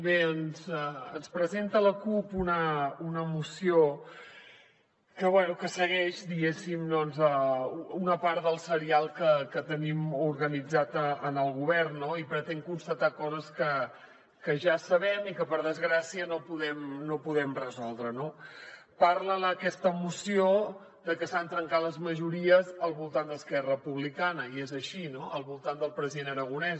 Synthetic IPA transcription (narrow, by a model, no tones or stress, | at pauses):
βeənzəənspɾəzent̪ələkupunəunəmusio | kəβwɛnukəsəɣɛʃd̪iɣesimd̪ɔnzəunəpaɾðəlˠsəɾialˠkəkət̪ənimuɾɣənid͡zat̪əənəlˠɣuβ̞ɛrnːoipɾət̪ɛŋkunst̪ət̪akɔzəskə | kəʒasəβɛmikəpəɾðəzɣɾasiənopuðɛmnopuðɛmrəzɔlˠd̪ɾəno | paɾlələkɛst̪əmusio | ðəkəsant̪ɾəŋkaləzməʒuɾiəzəlˠβulˠt̪and̪əskɛrəpuβlikanəiezəʃinoʔəlˠβulˠt̪and̪əlˠpɾəziðenəɾəɣ̞unɛs